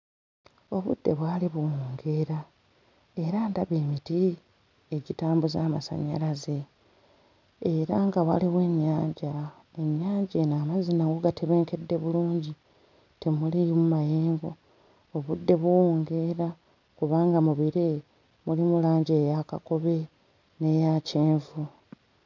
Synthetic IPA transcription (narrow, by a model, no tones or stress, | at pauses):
o̞βṵdːe̞βwaːliβuwoːŋɡe̞ɾa | e̞ɾandaβeːmiti | eɟitaːmbuzaːmasa̰ɲa̰laze̞ | eɾaŋɡawaliβwe̞ɲːaːɲɟa | e̞ɲːaːɲɟeːnaːmazinaŋɡoɡatʰeβe̞ːŋke̞dːe̞βuluːɲɟi | temulimumajeːŋɡo̞ | oβudːe̞βuwoːŋɡe̞ɾa | kuβaːŋɡamuβiɾe | mulimulaːɲɟeːjakako̞βe̞ | ne̞jaceːɱvu